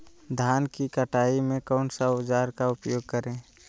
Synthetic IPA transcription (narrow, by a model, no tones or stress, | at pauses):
d̪ʱaːnkikəʈʰaːimẽkɔʊnsaʊd͡ʒaːɾkaʊpjoːɡ̚kəɾẽː